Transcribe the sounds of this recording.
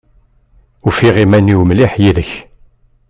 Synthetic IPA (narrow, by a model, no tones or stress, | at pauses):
ufiʁimænːiwmliħjiðəç